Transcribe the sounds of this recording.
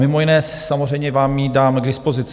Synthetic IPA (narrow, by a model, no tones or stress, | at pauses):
mɪmo̞jɪnɛːs | amozr̝ɛjɲɛvaːmːidaːmɡdɪspo̞zɪt͡s